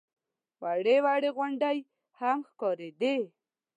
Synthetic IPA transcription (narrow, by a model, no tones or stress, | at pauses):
waɽewaɽeɣwʊɳɖaj | hamxkɔɾed̪e